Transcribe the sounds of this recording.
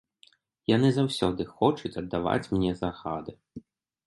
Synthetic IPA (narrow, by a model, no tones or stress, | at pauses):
janɨzawsʲɔd̪ɨxɔt͡ʂut͡sʲɐd̪ːava̰t͡sʲmnʲɛzaɣad̪ɨ